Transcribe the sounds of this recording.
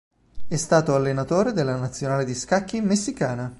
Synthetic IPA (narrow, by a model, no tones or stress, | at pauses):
ɛst̪aːt̪oalːenat̪oːɾed̪elːanat̪sːjonaːled̪iskakːimmːesːikaːna